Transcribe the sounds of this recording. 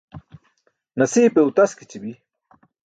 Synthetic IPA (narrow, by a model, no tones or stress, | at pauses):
nɐsiːpeut̪ɐskit͡ɕibi